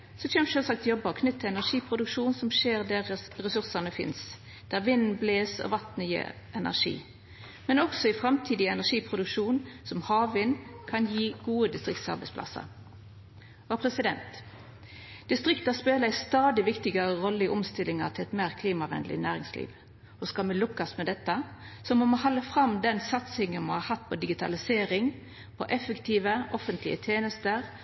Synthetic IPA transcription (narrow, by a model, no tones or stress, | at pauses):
sɔçɛmʃøːlsɑk̚t̪jɔbəɔkʰnʏt̪ʰːɪɛnæʁʂiːpʰʁʊd̪ʉkʂuːnsɔmʃeːʁd̪æʁɛsʉʁsɑnəfɪ̰ns | d̪̥æːʁʋɪnn̩bleːsɔ̰ʋɑt̪nəjḭːʁ | ʔɛnæ̰ʁʂḭː | mɛnɔksɔɪfɾɑmt̪ʰiːd̪ɪɛnæʂiːpʰʁʊd̪ʉkʂuːnsɔmhɑːʋʋɪnkʰɑnjiːɡ̥uːəd̪ɪst̪ʁɪkt̪sɑ̰ʁbɛɪspʰlɑ̰sɑ̰ | ɔpʰɾɛsɪd̪ɛnt̪ | d̪̥ɪst̪ʁɪkt̪ɑspeːləæɪst̪ɑːd̪ɪʋɪkt̪ɪɡəɾəʁɔlːəɪʔɔmst̪ɪlːɪŋɑt̪ʰɪlɛt̪meːʁkʰliːmɑʋɛ̰nd̪lɪ̰næːʁɪŋslḭːʋ | ɔskɑlmɛlʊkːɑsmɛd̪ɛt̪ːəsɔmɔmoːhɑlːəfʁɑmd̪ɛnsɑt̪sɪŋənmɑnhɑhɑt̪ːpʰɔd̪ɪɡɪt̪ʰɑ̰lɪseːɾɪŋ | pʰɔʔɛfəkt̪ʰiːʋəʔɔfənt̪ʰlɪ̰ət̪ʰeːnəst̪əɾ